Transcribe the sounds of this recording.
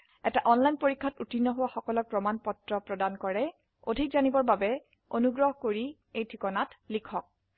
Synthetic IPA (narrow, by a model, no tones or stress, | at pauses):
ɛtaʔɔnlajnpoɹikʰːatutinːɔɦowaxɔkɔlɔɹpɹɔmanpɔtɹɔpɹɔdankɔɹɛ | odʱikzanibɔɹbabɛ | onuɡɹɔɦɔkoɹi | ejtʰikɔnatlikʰɔk̚